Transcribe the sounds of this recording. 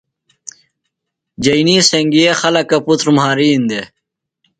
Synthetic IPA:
d͡ʑɐjniːseŋɡiexɐlɐkɐput̪ɾmhaːɾiːnd̪e

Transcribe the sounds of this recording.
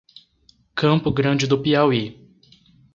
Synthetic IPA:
kɐ̃mpʊɡɾɐ̃d͡ʒɪd̪ʊpiawi

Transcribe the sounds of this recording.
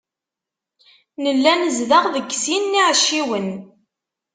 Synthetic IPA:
nəlːænəzðəʁðəɡsinːiʕʃːiwən

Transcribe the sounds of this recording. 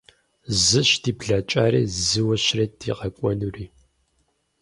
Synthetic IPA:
zɨʃdiːbɮat͡ʃʼaːɾḭːzɨwɐɕrɐdʰḭʁɐkʷʼɔnuriː

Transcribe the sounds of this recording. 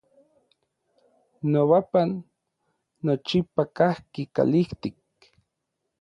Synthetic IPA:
noβapanː | ot͡ʃipakahkika̰liht̪ik̚

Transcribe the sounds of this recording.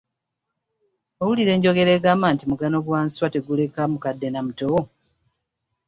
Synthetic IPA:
owuliɾe̞ːɲɟo̞ɡe̞ɾe̞ːɡaːmaːntimuɡano̞ɡwaːnswate̞ɡule̞kamukadːe̞namuto

